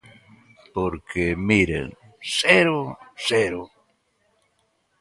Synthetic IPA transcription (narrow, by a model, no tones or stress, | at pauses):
poɾkemiɾḛŋ | seɾoseɾo